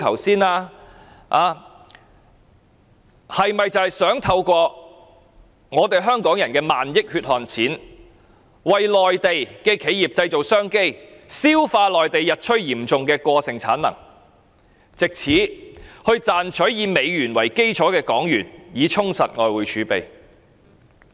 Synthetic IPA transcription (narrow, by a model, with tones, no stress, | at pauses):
kʰɐ˨˩wsiː˥naː˧ | ʔaː˨˧ | hɐ˨jmɐ˨jt͡sɐ˨hɐ˨jsœː˨˥ŋt̪ʰɐ˧wkʷɔː˧ | ŋɔː˨˧t̪e˨jɦœː˥ŋkɔː˨˥ŋjɐ˨˩nkɛː˧maː˨njɪ˥k̚hyː˧t̚hɔː˨nt͡sʰiː˨˥n | wɐ˨jlɔː˨jt̪e˨jkɛː˧kʰe˨˥jjiː˨˩p̚t͡sɐ˧jt͡so˨˩wsœː˥ŋke˥jsiː˥wfaː˧lɔː˨jt̪e˨jːɐ˨t̚t͡ʃʰɵ˥ɥjiː˨˩mt͡sʊ˨ŋkɛː˧kʷɔː˧sɪ˨ŋt͡sʰa̰ː˨˥nlɐ̰˨˩ŋ | t͡sɪ˨k̚t͡sʰiː˨˥hɵ˧ɥt͡saː˨nt͡ʃʰɵ˨˥ɥjiː˨˧me˨˧jɥyː˨˩nwɐ˨˩jke˥jt͡ʃʰɔː˨˥kɛː˧kɔː˨˥ŋjyː˨˩njiː˨˧t͡sʰʊ˥ŋsɐ˨t̚ŋɔː˨jwuː˨˧jt͡ʃʰyː˨˧˥pe˨j